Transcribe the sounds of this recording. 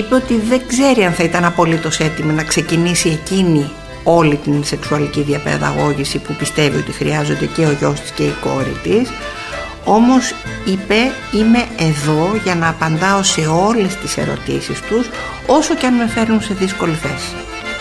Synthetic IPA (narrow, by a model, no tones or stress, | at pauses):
ipe̞o̞t̪iðe̞ɡze̞ɾiɐnθɐit̪ɐnɐpo̞lit̪o̞se̞t̪iminɐkse̞cinisie̞cini | o̞lit̪inse̞ksuɐliciðiɐpḛɾɐ̰ɣo̞ʝisipupist̪e̞vḭo̞̰t̪ixɾiɐzo̞nd̪e̞ce̞o̞ʝo̞st̪i̥sce̞iko̞̰ɾḭt̪is | o̞mo̞s | ipe̞ | ime̞ːðo̞ʝɐnɐːpɐnd̪ɐo̞se̞o̞le̞st̪ise̞̰ɾo̞̰t̪ḭsist̪us | o̞soceɐnme̞fe̞ɾnunse̞ðisko̞liθe̞si̥